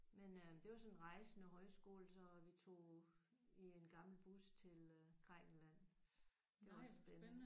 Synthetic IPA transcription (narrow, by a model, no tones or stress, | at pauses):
menød̥e̝ʋɑ̈sɒ̽nnʁɑ̈ɪsənəɦɒ̽ɪsɡ̥o̝̰ːlsɒ̽ʋit͡sʰo̝̰ː | ie̝nɡ̥ɑ̈ml̩b̥ust͡sʰe̝lɡ̥ʁɛɡ̥n̩læn̰ | d̥e̝ʋɑ̈ɒssb̥en